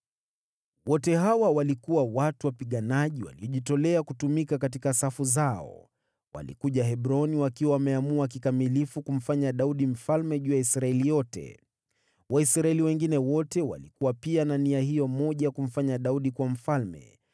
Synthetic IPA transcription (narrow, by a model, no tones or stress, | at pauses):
wɔtɛhawawalikuwawatuwapiɠanaʄiwa̰liɔʄitɔlɛakutumikakat̬ikasafuzaɔ̰ | wa̰lḭkuʄaɦɛɓɾɔniwakiwawamɛamuak̬ikamilifukum̩faɲaɗauɗim̩falmɛʄuːjaisɾaɛlijɔtɛ̰ | wʔaisɾaɛliwɛŋɡinɛwɔtɛwa̰likuwapiananiahijɔmɔʄajakum̩faɲaɗauɗikwam̩falmɛ̰